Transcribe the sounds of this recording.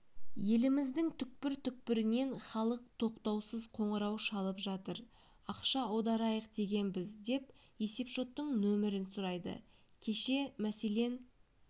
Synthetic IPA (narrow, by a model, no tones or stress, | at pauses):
je̞lɪmɪzd̪ɪŋt̪ʰʏk̚pɪɾt̪ʰʏk̚pɪɾɪne̞nχɑlˠəq̚t̪ʰo̞qt̪ɑwsəzqʰo̞ɴəɾɑwʃɑlˠəpʒɑt̪əɾ | ɑqʃɑod̪ɑɾɑjəqd̪e̞ɡʲe̞nbɪzd̪e̞p | je̞se̞pʒo̞t̪ːəɴnɵmɪɾɪnsʊɾɑjd̪ə̰ | kʲʰe̞ʃe̞mæse̞le̞n